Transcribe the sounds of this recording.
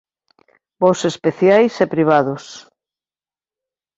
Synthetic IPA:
bosespeθjajsepɾiβ̞aðʊs

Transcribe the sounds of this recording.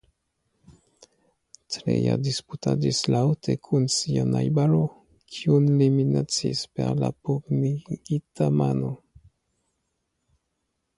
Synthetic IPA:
tɾḛja̰disputad͡ʒislawtʰekʰunsianajbaɾo | kʰiunliminat͡sḭspe̞ɾlapubniɡitʰamano̞

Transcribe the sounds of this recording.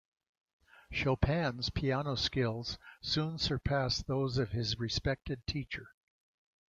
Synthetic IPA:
ʃoʊpʰæ̃nz̥pʰiænoʊskɪlˠz̥sũnsə˞pʰæsðoʊzʌv̥ɪzɹɨspɛk̚tɨd̚tʰit͡ʃə˞

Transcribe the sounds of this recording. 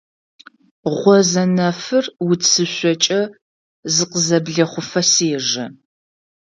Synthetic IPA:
ʁʷɔzɐnɐfɨrwʊt͡sʰɨɕʷɔt͡ʃʼɐ | zɨqəzɐbɮɐχʷʊfɐseːʒɐ

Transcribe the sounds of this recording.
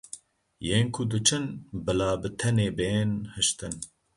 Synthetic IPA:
jeːnkʰʊd̪ɨt͡ʃʰɨnbɨlaːbɨt̪ʰɛneːbeːnhɨʃt̪ɨn

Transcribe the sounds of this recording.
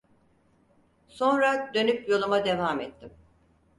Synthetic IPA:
so̞nɾad̪ø̞nypjo̞lˠumad̪e̞vaːmɛt̪ʰːim

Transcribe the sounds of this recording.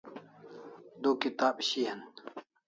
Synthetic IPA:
d̪oːkit̪aːbɕiːɦɐn

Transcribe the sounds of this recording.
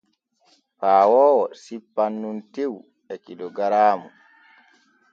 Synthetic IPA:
paːwɔːwɔsipːanːuntew | ɛkilɔɡaɾaːmu

